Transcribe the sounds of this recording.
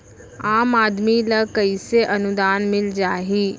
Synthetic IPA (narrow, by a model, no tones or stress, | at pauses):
aːmaːd̪miləkəiseʔɐnʊd̪aːnmɪld͡ʒaːɦiː